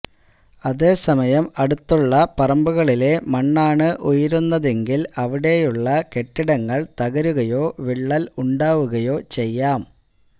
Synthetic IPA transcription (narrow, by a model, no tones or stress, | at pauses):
ɐðe̞ːsɐmɐjɐmɐɽut̪ːuɭːɐpɐrɐmbuɣɐɭile̞mɐɳːaːɳɨʔujiɾunːɐðe̞ŋɡilɐʋiɽe̞juɭːɐke̞ʈːiɽɐŋːɐɭt̪ɐɣɐɾuɣɐjo̞ːʋiɭːɐluɳɖaːʋuɣɐjo̞ːt͡ɕe̞jːaːm